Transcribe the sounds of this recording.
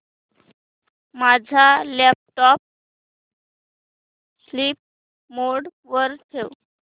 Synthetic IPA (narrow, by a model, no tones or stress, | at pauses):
mad͡zʱalɛp̚ʈɔp̚ | sliːp̚ | moɽ | ʋəɾt̪ʰew